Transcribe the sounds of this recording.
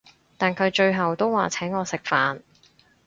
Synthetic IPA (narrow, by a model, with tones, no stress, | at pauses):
t̪aː˨nkʰɵ˨˧ɥt͡ʃɵ˧ɥɦɐ˨wt̪o˥wwaː˨t͡sʰɛː˨˥ŋɔː˨˧sɪ˨k̚faː˨n